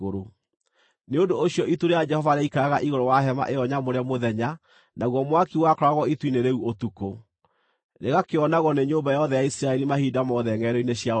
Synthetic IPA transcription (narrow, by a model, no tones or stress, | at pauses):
oɾo | neondoːɕjɔʔituɾejad͡ʒɛhɔvaɾeaikaɾaɣaʔiɣoɾɔwaɦɛma̰ʔeɔɲamoɾeamoðɛɲa | naɣwɔmwakiwakɔɾaɣɔitwineɾeuotuko | ɾeɣakeɔnaɣɔneɲoːmbajɔðɛjaisiɾaɛɾimahiːdamɔðɛŋɛɾɔineɕja